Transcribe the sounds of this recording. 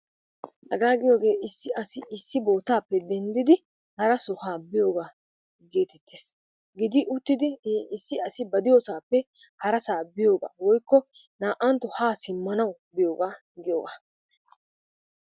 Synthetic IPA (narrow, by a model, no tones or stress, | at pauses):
hɐɡaːɡɪjo̞ːɡe̞ːʔɪsːɪɐsɪɪsːɪbo̞ːt̪aːpːɛd̪ɛnd̪ɪd̪ɪ | hɐɾɐsɔhaːbɪjo̞ːɡaː | ɡe̞ːt̪ɛt̪ʰːeːs | ɡɪd̪ɪʔʊt̪ːɪd̪ɪɪsːɪɐsɪbɐd̪ɪjoːsaːpːɛ | hɐɾɐsaːbɪjo̞ːɡa̰ːwɔjkːɔ | naːʔɐnt̪ːɔhaːsɪmːɐnɐwbɪjo̞ːɡaː | ɡɪjoːɡaː